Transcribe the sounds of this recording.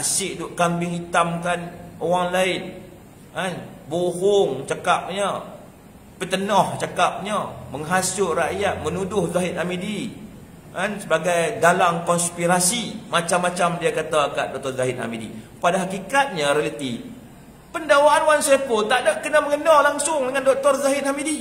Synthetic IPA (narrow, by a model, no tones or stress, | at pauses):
asɪʔdʊʔkambiŋɦit̪amkanowaŋlaɪn | an | boɦʊŋt͡ʃakap̚ɲə | pət̪ənɔht͡ʃakap̚ɲəməŋɦasʊʔraʔjat̪̚mənudʊhzaɦɪt̪amidi | ansəbaɡajdalaŋkɔnspiɾasimat͡ʃamːat͡ʃamdiakat̪akaʔ̪̚dɔk̚t̪ɔrzaɦɪt̪ha̰midḭ | padaɦakikat̪̚ɲaɾealat̪i | pəndawaanwansajapʊnt̪adap̚kənaməŋənɔlaŋsʊŋdəŋandɔk̚t̪ɔrzaɦɪt̪̚hamidi